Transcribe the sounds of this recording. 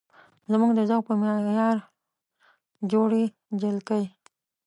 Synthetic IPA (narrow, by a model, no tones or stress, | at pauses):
zmuɡd̪əzawpəmjɑɾ | d͡ʒoɽe | d͡ʒalkəj